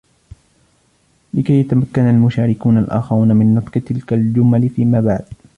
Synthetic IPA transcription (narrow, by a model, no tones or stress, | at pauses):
lɪkajːat̪amakːanalmʊʃaːɾɪkuːnalʔa̰ːxɪɾuːnamɪnːɨt̪ˤqɨt̪ɪlkald͡ʒʊmalfiːmaːbaʕd̪